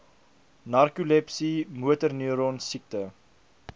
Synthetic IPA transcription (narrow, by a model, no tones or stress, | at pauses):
nɐrkulɛpsimuətərnyəɾɔnsik̚tə